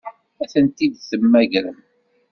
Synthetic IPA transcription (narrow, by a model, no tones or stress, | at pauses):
æθənt̪id̪θəmːæʝɾəm